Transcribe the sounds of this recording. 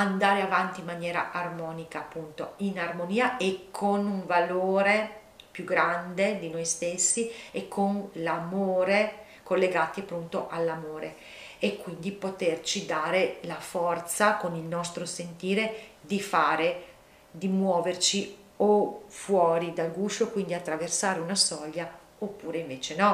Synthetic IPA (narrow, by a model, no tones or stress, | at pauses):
and̪aːɾeavant̪iːmanjɛːɾa̰ʔarmɔːnikaːpːunt̪oinarmoniːaʔekʰːonuɱvaloːɾe | pjuɡɾand̪ed̪inojst̪esːiekʰːonlamoːɾe | kolːeɡaːt̪iapːɾunt̪oʔalːamoːɾe | ekːwind̪ipot̪ert͡ʃid̪aːɾelafɔrt̪sakonilnɔst̪ɾosent̪iːɾed̪ifaːɾe | d̪imwɔːvert͡ʃi | ofwɔːɾid̪alɡuːʃokwind̪iat̪ːɾaversaːɾeunasɔʎːa | opːuːɾeiɱveːt͡ʃenɔ